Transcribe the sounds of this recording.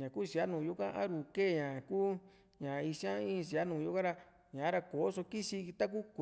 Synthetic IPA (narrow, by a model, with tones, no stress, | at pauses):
ɲã˨ku˦˧si˨a˦nũː˨ju˧˦kã˦ʔa̰˦ɾu˨ke˦˨ɲã˨kuː˦ | ɲã˨i˧ʃã˦ĩ˦˧s̬i˨a˦nũː˨ju˧˦kã˦ɾa˧ | ɲã˨˦ɾa˧ko˨o˦so˧ki˦ʃi˧t̪a˦k̬u˦kʷ